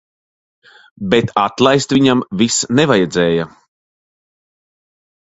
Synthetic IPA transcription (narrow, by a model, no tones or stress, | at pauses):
bet̪at̪lˠajst̪vʲiɲamvisnɛvajɛd̪zɛːja